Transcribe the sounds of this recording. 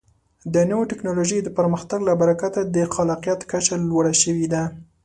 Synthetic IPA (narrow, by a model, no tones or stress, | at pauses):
d̪ənəwaʈɪknɑloʒəjd̪əpəɾməxt̪aɡlabaɾakat̪ad̪əxalɑqijat̪kat͡ʃalwaɽaʃəwid̪a